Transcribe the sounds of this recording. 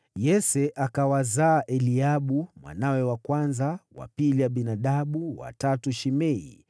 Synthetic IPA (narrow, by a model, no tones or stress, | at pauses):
jɛsɛʔakawazaːʔɛliaɓumwa̰nawɛwakwanzawa̰piliwaɓinaɗaɓuwa̰tatuʃimɛḭ